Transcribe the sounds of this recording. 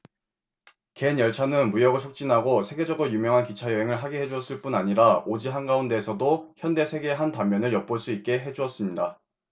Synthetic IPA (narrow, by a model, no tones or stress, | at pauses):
ke̞njʌɭt͡ɕʰanɯnmujʌɡɯɭsʰok̚t͡ɕ͈inɦaɡosʰe̞ɡe̞d͡ʑʌɡɯɾojumjʌŋɦankit͡ɕʰajʌɦeŋɯɭɦaɡeɦe̞d͡ʑuʌs͈ɯɭp͈unaɲiɾaod͡ʑiɦanɡaunde̞ːsʰʌdoçjʌnde̞sʰe̞ɡe̞ɦantamːjʌnɯɭjʌp̚p͈oɭs͈uit̚k͈e̞ɦe̞d͡ʑuʌs͈ɯmɲida